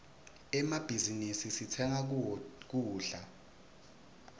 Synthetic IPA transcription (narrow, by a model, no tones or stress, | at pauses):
ɛmab̥ʱizinisisitʰɛŋak̬uːɬa